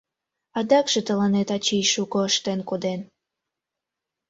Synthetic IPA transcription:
ɑd̪ɑkʒ̥et̪əlɑnet̪ɑt͡ɕijʃukoəʃt̪enkod̪en

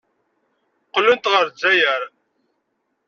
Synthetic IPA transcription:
qːələnt̪ʁəɾzæjəɾ

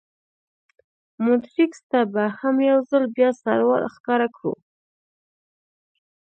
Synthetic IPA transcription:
mʊt̪ɾikst̪abahamjawzalbjɑsa̰ɾwɑ̰lxkɑɾakɽṵ

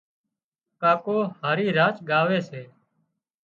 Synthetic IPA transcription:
kaːkoːhaːɾiːɾaːt͡ʃɡaːʋeːseː

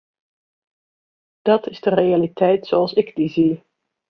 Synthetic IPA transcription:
d̥ɑtɪzdərejalitɛjtsoɑlˠsɪɡdizi

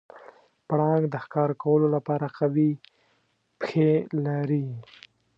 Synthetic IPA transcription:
pɽɑŋɡd̪əxkɑɾkawəlolapɑɾaqawi | pxelaɾi

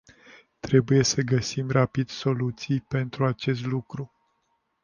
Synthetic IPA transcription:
t̪ɾe̞buje̞səɡəsimrapid̪̥so̞lut̪sijpe̞nt̪ɾuat͡ʃe̞s̬t̪lukɾu

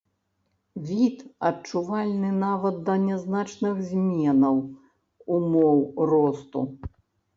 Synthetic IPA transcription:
vʲit̪ɐt͡ʂuvalʲnɨnavɐt̪̚d̪ɐnʲɛznat͡ʂnɨxzʲmʲɛnɐw | umɔwrɔst̪ṵ

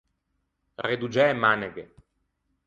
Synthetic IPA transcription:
red̪ud͡ʒɛmaneɡe

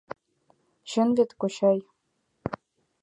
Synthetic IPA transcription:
ɕɘ̆nvʲet̪koɕɑj

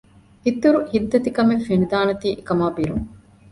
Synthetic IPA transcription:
hit̪ːuɾuhid̪ːɐt̪ikɐmefenid̪aːnɐt̪iːʔekɐmaːbiɾuŋ

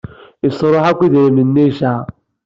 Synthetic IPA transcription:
ɪsoɾoɦakʷidemin̩ːeʃa

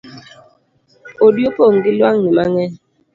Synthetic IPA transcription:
odjopoŋɡilwaŋnimaŋɛ

